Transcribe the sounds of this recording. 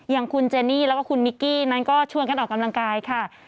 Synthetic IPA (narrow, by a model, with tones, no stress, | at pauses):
jaː˨˩ŋkʰu˧nt͡ɕeː˧niː˥˩ɾɛː˦˥waː˥˩kʰu˧nmi˦˥kːiː˥˩na˦˥nkɔː˥˩t͡ɕʰu˧ənka˧nʔɔː˨˩ka˧mla˧ŋkaː˧jkʰa˥˩